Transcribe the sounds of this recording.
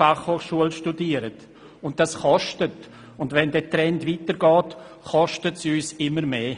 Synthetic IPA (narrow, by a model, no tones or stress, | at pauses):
aχhoːχʃuəlʃtudiːəɾət | ʊnt̚d̥asχɔʃtət | ʊndʋɛndɛːtɾɛntvitəɾɡɔːt | χɔʃtətsyːsɪməɾmeː